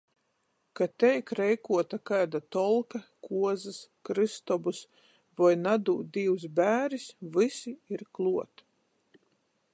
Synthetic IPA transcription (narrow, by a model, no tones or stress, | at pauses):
kat̪ɛjkɾɛjkuɔt̪akajd̪at̪ɔlˠkakuɔzɨskɾɨst̪ɔbus | vajnad̪uːd̪iws̬bæːɾisvɨsiiɾklˠuɔt̪